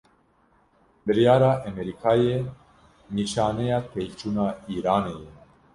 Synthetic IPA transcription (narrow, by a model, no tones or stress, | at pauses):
bɨɾjaːɾaːʔɛmɛɾikʰaːje | niʃaːnɛjaːt̪ʰejt͡ʃuːnaːiːɾaːnejɛ